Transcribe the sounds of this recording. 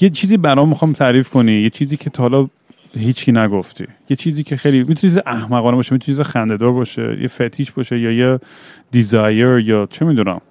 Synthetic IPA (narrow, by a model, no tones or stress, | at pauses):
jet͡ʃʰiːziːbæɾɒmmːixɒjmt̪ʰæɾiːfkʰonijet͡ʃʰiːziːcʰet̪ʰɒhlɒ | ɦiːt͡ʃʰkʰiːnæɡoft̪ʰḭːjet͡ʃʰiːziːcʰexejliːmit̪unet͡ʃʰizeʔæhmæɣɒːnebɒːʃemit̪unet͡ʃʰizexænd̪ed̪ɒːɾbɒʃḛjḛfet̪ʰːiːʃbɒʃejɒːje | d̪izɒjeɾjɒːt͡ʃʰemid̪unæ̰m